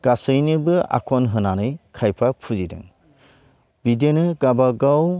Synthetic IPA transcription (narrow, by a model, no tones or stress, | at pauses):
ɡ̥asɯjnɯbɯa̰kʰɔnɦɯnanɯjkʰajpʰapʰuzidɯ̰ŋ | bidenɯɡabaɡaw